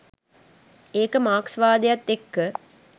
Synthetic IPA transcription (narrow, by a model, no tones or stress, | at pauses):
eːkəmaːksʋaːd̪ejat̪ːekːə